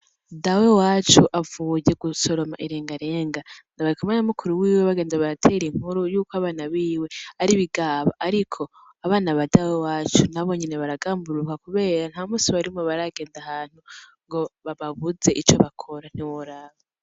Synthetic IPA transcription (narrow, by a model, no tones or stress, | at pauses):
dawewaːt͡ʃuʔavuje̞ɡuso̞ɾo̞ma̰ʔiɾeːŋɡaɾe̞ːŋɡandaβaɾikumanamukʰuɾuwiːweβaɡe̞ːndaβaɾatʰe̞ːɾiŋ̥uɾujuːkoaβaːnaβiːwe̞aɾiβiɡaːβaʔaɾikʰo̞ | aβaːnaβadawewaːt͡ʃunaβo̞ɲineβaɾaɡaːmbuɾukakuβe̞ːɾan̥hamuːsiβaɾimoβaɾaɡe̞ːndahaːn̥huŋɡo̞βaβaβuze̞ʔit͡ʃo̰βakʰo̞ɾan̥iwoɾaβa